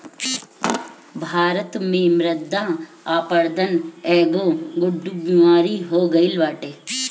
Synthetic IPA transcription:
bʱaːɾət̪mẽmɾəd̪ã | aːpəɾd̪ənɛːɡoːɡʊɖːubimaːɾiɦoːɡɐilʋaːʈeː

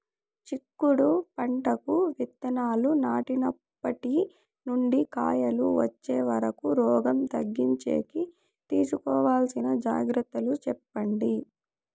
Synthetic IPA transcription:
t͡ʃikːuɽupɐɳʈɐkuʋit̪ːɐnaːlunaːʈinɐpːɐʈi | nuɳɖika̰ːjɐluʋɐ̰t͡ʃːeːʋɐɾɐkuɾɔːɡɐmt̪ɐɡːiɲt͡ʃḛːki | t̪iːsukɔːʋaːlsinɐd͡ʒa̰ːɡɾɐt̪ːɐlut͡ʃɛpːɐɳɖi

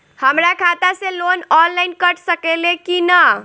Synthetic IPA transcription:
həmɾakʰat̪aselonɔnlaɪnkəʈsəkelekinə

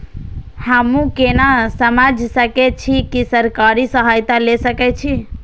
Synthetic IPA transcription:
həmũkenasəmad͡ʒʱsəkɛt͡ʃʰikisəɾkaɾisəɦajt̪alesəkɛt͡ʃʰi

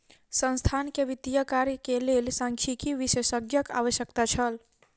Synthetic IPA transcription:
sə̃nst̪ʰankeʋit̪ijəkaɾkelelsãŋkʰikiʋisesəɡjəka̰ʋəsjəkt̪at͡ʃʰəl

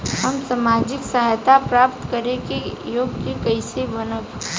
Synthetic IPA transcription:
həmsamaːd͡ʒɪksəɦajt̪apɾaːpt̪kəɾekejoːɡkekəɪsebənəɡ

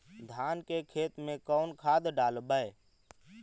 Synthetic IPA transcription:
d̪ʱaːnkekʰeːt̪mẽkɔʊnkʰaːd̪ɖaːlbəe

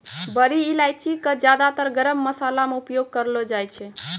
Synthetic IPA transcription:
bəɾiːlajt͡ʃʰikəd͡ʒjad̪at̪əɾɡəɾəmːəsalameupjoɡ̚kəɾlɔd͡ʒajt͡ʃʰɛ

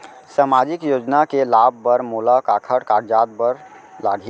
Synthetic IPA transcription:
saːmaːd͡ʒɪkjoːd͡ʒnakelaːb̚ːəɾmoːlakaːkʰəɽkaːɽd͡ʒaːd̪̚bəɾ | laːɡʱi

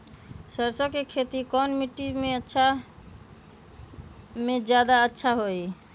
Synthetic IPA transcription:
səɾsɔkekʰet̪ikɔnmiʈːimeətːʃʰa | med͡ʒjad̪aətːʃʰaɦoj

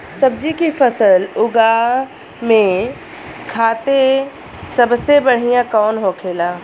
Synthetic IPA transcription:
sɐbd͡ʒikifʰəsəlʊɡa | mẽ | kʰaːt̪e | sɐbsebɐɽ̤ijãkɔːnɦokʰeːlaː

